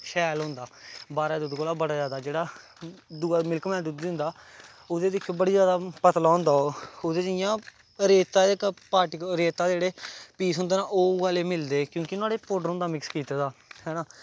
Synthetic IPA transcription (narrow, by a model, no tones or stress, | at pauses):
ʃɛːlɦʊ̃nd̪aːbaːɾaːd̪ʊd̪koːlaːbəɽaːd͡ʒaːd̪aːd͡ʒeːɽaː | d̪umɪlkmɛ̃ːd̪ud̪ʊ̃nd̪aː | ʊd̪eːd̪ɪkʰːjõːbəɽiːd͡ʒjaːd̪aːpət̪laːɦʊ̃nd̪aːood̪eːd͡ʒɪjãː | ɾeːt̪aːekpaːʈɪkɾeːt̪aːd̪eːɽeːpiːsɦʊ̃nd̪eːnãːʔoːʋaːleːmɪld̪eːkjõːkɪnaːɽeːpoːɖəɾʊ̃nd̪aːmɪkskiːt̪aːd̪aːhɛːnaː